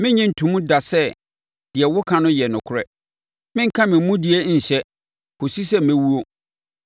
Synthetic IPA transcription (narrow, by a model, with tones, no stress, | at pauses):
mɪ̃˦ɲɛ̃˦n̩˨tʰũ˨˦mũ˦da˨sɛ˦ | d̥ɪ˨ɛ˨wʊ˦kʰã˨nʊ̃˦jɛ˨nʊ̃˨kʰʊ˦˨ɾɛ̰˦˨ | mɪ̃˦ŋ̩˦kʰã˦mɪ̃˨m˦mũ˦dɪ˨e˦ɲ̩˨ɕɛ˦ | ko˨si˦sɛ˦m̩˨æ̃˦wu˦o˦